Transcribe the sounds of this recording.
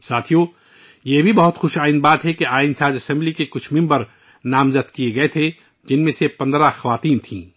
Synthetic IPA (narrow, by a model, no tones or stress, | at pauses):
saːt̪ʰijo | jebʱibɐɦʊt̪xʊʃaːɪnbaːt̪ɦɛkeaːɪnsaːd͡ʒɐsɛ̃mblikekʊt͡ʃʰmɪ̃mbəɾ | naːmzət̪kieɡɐet̪ʰe | d͡ʒɪnmẽsepɐ̃nd̪ɾaxɐʋaːt̪iːnt̪ʰĩː